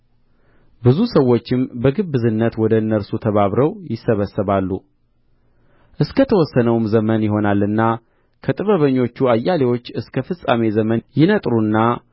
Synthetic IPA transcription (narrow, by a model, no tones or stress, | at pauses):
bɨzusəwːo̞t͡ʃːɪmbəɡɨbːɨzɨnːət̪wɔd̪əɨnːəɾsut̪ʰəβaβɾəwjɪsːəβəsːəβalːu | ʔɨskʰət̪ʰəwɔsːənəwmzəmənjɪɦo̞nalːɨnːa | kʰət̪ʼɨβəβəɲːo̞t͡ʃːuajːalewo̞t͡ʃːɨskʰəfɨsʼa̰me̞zəmənjɪnət̪ʼɾunːa